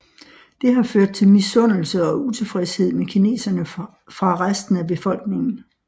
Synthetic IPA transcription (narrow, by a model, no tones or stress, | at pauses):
d̥e̝ɦɑ̈føɐ̰d̥̚t͡sʰe̝lmisɔ̽n̰l̩səɒ̽ut͡sʰe̝fʁɛshe̝ð̰ˠmekʰine̝̰ːsɐnə | fʁɑ̈ʁasd̥n̩æb̥e̝fɒ̽l̰ɡ̥ne̝ŋn̩